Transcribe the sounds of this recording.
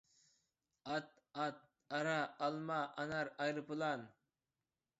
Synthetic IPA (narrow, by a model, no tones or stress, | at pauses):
ɑt̪ | ɑt̪̚ | ɑɾɑːlˠmɑʔɑnɑɾɑjɾɨpɨlˠɑn